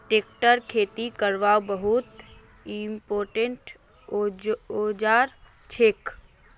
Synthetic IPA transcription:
ʈeːk̚ʈəɾkʰeːt̪ikəɾʋaːwbəɦut̪ | impoːɾʈẽɳʈ | od͡ʒaːɾ | t͡ʃʰeːk

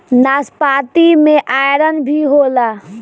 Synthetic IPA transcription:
naspat̪imeʔajɾənbʱiɦola

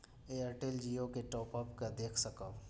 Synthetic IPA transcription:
eəɾʈeld͡ʒiokeʈɔːpəpkad̪eːkʰsəkəb

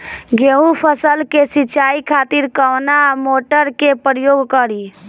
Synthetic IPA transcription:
ɡeũpʰəsəlkesɪt͡ʃaːikʰaːt̪iɾkəʋnamoːʈəɾkepɾjoːɡkəɾi

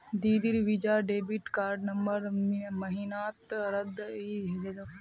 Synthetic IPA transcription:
d̪iːd̪iɾʋid͡ʒaːɖeːbiʈkaːɾɖnɐmbəɾmɐɦinaːt̪ɾɐd̪iɦed͡ʒɐd

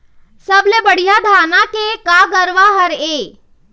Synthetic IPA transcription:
səblebəɽ̤ijad̪ʱaːnakekaɡəɾʋaɦəɾe

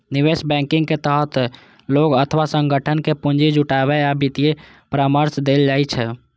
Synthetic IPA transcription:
niʋesbɛ̃ŋkɪ̃ŋɡket̪əɦət̪ | loɡət̪ʰʋasəŋɡʱəʈʰənkepund͡ʒid͡ʒuʈaβɛabit̪ije | pɾaməɾsd̪eld͡ʒajt͡ʃʰɛ

